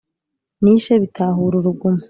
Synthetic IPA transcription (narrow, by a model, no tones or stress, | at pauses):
niʃeβitʰaɦuɾuɾuɡuma